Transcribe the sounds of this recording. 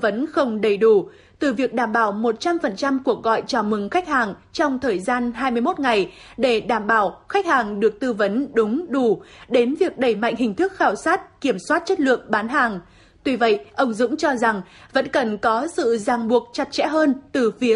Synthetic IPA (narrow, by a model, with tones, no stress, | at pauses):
və˨˦nxə˧wŋ͡mɗə˨˩jɗu˧˩ | t̪ɨ˨˩vi˨˩ək̚ɗaː˧˩mɓaː˧˩wmo˨˩t̚t͡ɕa˧mfə˨˩nt͡ɕa˧mku˧˩ək̚ɣɔ̰˧˨jt͡ɕaː˧˩mɨ˨˩ŋxa˦˥k̟̚haː˨˩ŋt͡ɕɔ˧wŋ͡mt̪ʰəː˨˩jzaː˧nɦaː˧jmɨ˧jmo˦˥t̚ŋa˨˩jɗe˧˩ɗaː˧˩mɓaː˧˩wxa˦˥k̚haː˨˩ŋɗɨ˨˩ək̚t̪ɨ˧və˨˦nɗʊ˨˦ŋ͡mɗu˧˩ɗe˨˦nvi˨˩ək̚ɗə˧˩jma̰˧˨jŋ̟hï˨˩ŋ̟t̪ʰɨ˦˥k̚xaː˧˩wsaː˦˥t̚ki˧˩əmswaː˦˥t̚t͡ɕə˦˥t̚lɨ̰˧˨əŋɓaː˨˦nɦaː˨˩ŋ | t̪wi˧və̰˧˨jʔə˧wŋ͡mzʊ̰˧˥ŋ͡mt͡ɕɔ˧za˨˩ŋvə̰˧˥nkə˨˩nkɔ˨˦sɨ̰˧˨zaː˨˩ŋɓu˨˩ək̚t͡ɕa˨˩t̚t͡ɕɛ̰˧˥ɦəː˧nt̪ɨ˨˩fi˨˦ə